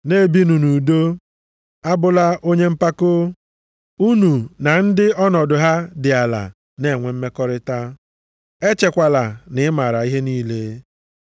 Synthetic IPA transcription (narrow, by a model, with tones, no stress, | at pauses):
ne˦˨bi˦nu˨nu˨do˦ | a˦bʊ˨la˦ʔo˦ɲe˦m̩˦pa˦kʊ˦ | u˦nu˨na˨n̩˦dɪ˦ɔ˦nɔ˨dʊ˨ɦa˦dɪ˨a˨la̰˨ | ne˨ŋʷe˨m̩˦me˦kɔ˦ɾɪ˦ta˦ | e˦t͡ʃe˨kʷa˨la˨nɪ˨ɪ˦ma˨ɾa˨i˦ɦe˦niː˦le˦